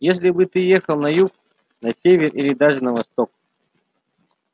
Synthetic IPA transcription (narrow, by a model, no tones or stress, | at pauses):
jes̬ʲlʲɪbɨt̪ɨjexəlˠnɐjuk̚ | nɐsʲevʲɪrilʲɪd̪aʐɨnəvɐst̪ok̚